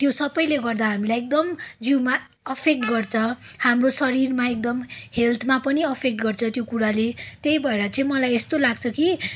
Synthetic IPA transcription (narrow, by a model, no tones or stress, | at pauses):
t̪josʌbʌjleɡʌrd̪aɦamilajek̚d̪ʌmd͡ziwma | ʌpʰek̚ʈɡʌrt͡sʰʌhamrosʌɾirmaek̚d̪ʌmhelt̪ʰmapʌniʌpʰek̚ʈɡʌrt͡sʰʌt̪jokuɾalet̪ejbʱʌeɾʌt͡sʌ̃ĩmʌlajest̪olaɡt͡sʰʌki